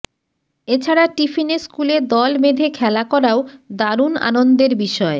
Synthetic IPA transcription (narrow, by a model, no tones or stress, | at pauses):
et͡ɕʰaɾaʈifineskuled̪ɔlmed̪ʱekʰɛlakɔɾaod̪aɾuna̰nond̪eɾbiʃɔe